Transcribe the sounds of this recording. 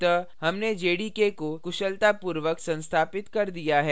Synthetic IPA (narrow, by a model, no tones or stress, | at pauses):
t̪ɐhɐmned͡ʒeːɽiːkekokʊʃəlt̪apuːɾʋəksɐ̃nst̪ʰaːpɪt̪kɐɾd̪ijaɦɛː